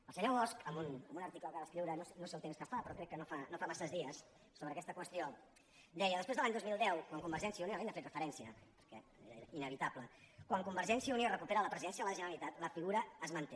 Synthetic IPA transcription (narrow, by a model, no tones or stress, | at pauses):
əlˠsəɲoβɔskəmbunəmbunəɾt̪ikləɣaðəskɾiwɾənosenosewt̪emskəfapɾɔkɾɛkːənofanofamasəzðiəs | soβɾəːkɛst̪əkwəst̪io | d̪ɛjəðəspwezðəlaɲd̪ozmilˠd̪ɛwkwaŋkumbəɾʒɛnsijəunioaenafet̪rəfəɾɛnsiəpəɾkɛ̰ḛḛɾʔinəβit̪apləkwaŋkumbəɾʒɛnsiəuniorəkupeɾələpɾəziðɛnsjəðələʒənəɾəlit̪at̪ləfiɣuɾəːzmənt̪e